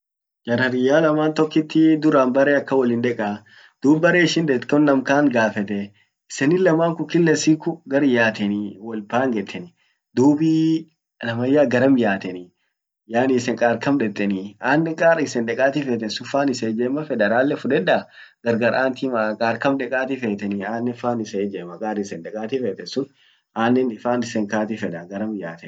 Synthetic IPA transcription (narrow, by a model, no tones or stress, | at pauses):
d͡ʒɐɾɐɾɪjːaːlɐmaːnt̪ɔkːɪt̪ːɪd̪ʊɾaːnbɐɾeːɐkːɐwɐlɪnd̪ɛkʼa | d̪̥uːbbːɐɾeːɪʃɪnd̪ɛt̪kɔnːɐmkaːŋɡaːfɛt̪ɛ | ɪsɛnɪlɐmaːŋkʊkɪlːɛsiːkʊɡɐɾɪjaːt̪ɛnwɔlbaːŋɡɛt̪ːɛnɪ | d̪uːbiː | lɐmɐjːaːɡɐɾɐmjaːt̪ɛnɪ | jaːnisɛŋkʼaːɾkɐmᶑɛt̪ʼːɛniaːnːɛŋkʼaːɾɪsɛnd̪ɛkʼaːt̪ifeːt̪ɛnsʊfaːnɪsed͡ʒeːmːɐfɛd̪ɛɾaːlːɛfʊᶑɛᶑa | ɡ̥ɐɾɡɐɾʔaːnt̪imakʼaːɾkɐmᶑɛkʼaːt̪ɪfeːt̪ɛniaːnːɛfaːnɪsɛd͡ʒeːmɐkʼaːɾɪsɛnᶑ̪ɛkʼaːt̪ifeːt̪ɛnsʊn | ʔaːnːɛnɪfaːnɪsɛŋkaːt̪ifɛᶑɐɡɐɾɐmjaːt̪ɛn